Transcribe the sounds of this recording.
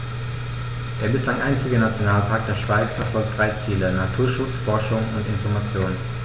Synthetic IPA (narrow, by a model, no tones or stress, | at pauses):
d̥eːɐbɪslaŋʔaɪnt͡sɪɡənat͡sjonaːlpʰaɐk̚d̥eːɐʃv̥aɪt͡sfɛɐfɔlk̚td̥ʁaɪt͡siːlənatʰuːɐʃʊt͡sfɔɐʃʊŋʊntɪnfɔɐmat͡sjoːnən